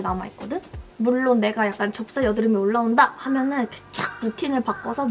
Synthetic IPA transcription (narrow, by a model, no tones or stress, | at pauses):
nama̰it̚k͈ʌdɯnmuɭːonːe̞ɡajak̚k͈ant͡ɕʌp̚s͈ajʌdɯɾɯmioɭːaondahamjʌnɯnke̥t͡ɕ͈ak̚putʰinɯɭpak͈ʌsʰʌ